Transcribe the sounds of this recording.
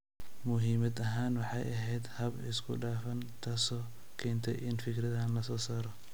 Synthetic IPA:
mʊɦiːmɐd̪ɐɦaːnwɑħɑ̰jʔɐɦɛjd̪hɐbɪ̰skʰʊ̰ɖaːfɐnt̪ʰɐsɔː | kʰɛːnt̪ʰɛ̰jʔɪnfɪkʰrɐðɐɦɐnlɐsɔːsaːɾɔ

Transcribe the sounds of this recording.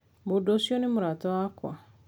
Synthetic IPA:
bodosjonemʊɾatɔwakwa

